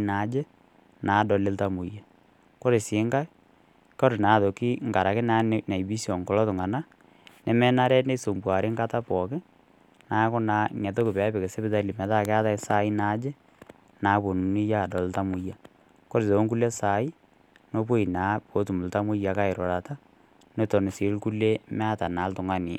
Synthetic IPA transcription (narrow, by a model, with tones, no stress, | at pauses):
na˨˦d͡ʒe˦ | naː˨dɔ˨lɪ˦lta˦mu˨ja˨ | ko˦ɾe˨sɪ˨˦ŋɡa˦ | kɔ˦ɾɪ˨na˨ðo˨ki˦ŋɡa˨ɾa˨kɪ˦na˨˦na˨i˨bi˦sɔ˨ŋkɔ˨lɔ˦tʊ˨ŋa˨na˦ | nɛ˨mɛ˦na˦ɾɛ˦ne˦so˨mbwa˨ɾɪ˦ŋɡa˦ta˦pɔ˨kɪ˦ | na˨˦kʊ˦na˨ŋɛ˨t̬o˦kɪ˨pɛ˨˦bɪ˨ke˨sɛ˦bɪ˦ta˦li˨mɛ˨ta˦˨kɛ˦a˦ta˦sa˦i˦na˨˦d͡ʒe˦ | na˨˦bo˨nu˨ni˦ja˦˨dɔ˨lta˦mu˦ja˨ | ko˦ɾɪ˨to˨o˦ŋku˦le˦sa˨˦i˦ | no˦p̬o˦i˨naː˨˦po˨˦tu˨mu˨lta˦mu˦ja˨ka˦ɪ˨ɾɔ˨ɾa˨ta˦ | no˦tɔ˨nɪ˨si˨lku˦le˦mɛ˦a˦ta˨na˨˦ltʊ˨ŋa˦ni˨